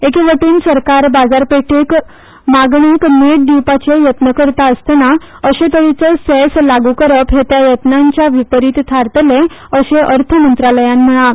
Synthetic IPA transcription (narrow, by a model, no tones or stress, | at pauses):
ekeʋəʈiːnsəɾkaɾbad͡zaɾpeʈek | maɡɳikmeʈ̚ɖipat͡ɕejət̪nəkəɾt̪aəst̪na | əɕẽt̪əɾit͡səsɛslaɡukəɾəpɦet̪jajət̪naɲt͡ɕjaʋipəɾiːt̪t̪ʰaɾt̪əle | əɕeʔəɾt̪ʰəmənt̪ɾaləjãnm̤əɭã